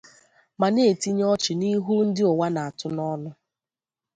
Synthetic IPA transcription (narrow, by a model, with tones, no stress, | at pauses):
ma˨ne˦˨ti˦ɲ˦ɔ˦t͡ʃɪ˨ni˦ɦu˦n̩˦dɪ˦o˨wa˦na˨a˨tʊ˦nɔ˦nʊ˦